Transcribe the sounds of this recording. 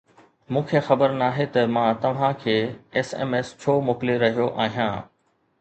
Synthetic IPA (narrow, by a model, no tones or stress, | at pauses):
mũːkʰexɐbəɾnaːɦet̪ɐmãːt̪ɐʋ̤ãkʰeːɛːsḛːmeːst͡ɕʰoːmʊkleɾɐɦijoʔaːɦijãː